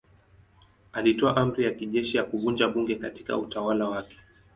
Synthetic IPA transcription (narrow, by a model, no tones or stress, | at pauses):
alitɔaʔam̩ɾijakiʄɛʃijakuvund͡ʒaɓuŋɡɛkati̥ka̰utawalawakɛ̥